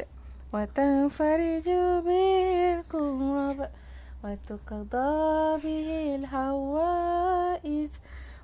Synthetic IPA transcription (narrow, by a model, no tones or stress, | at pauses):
wat̪anfaɾɪd͡ʒbɪqʊwab | wat̪ʊqd̪ˤɑbɪhɪlɦawaːʔɪd͡ʒ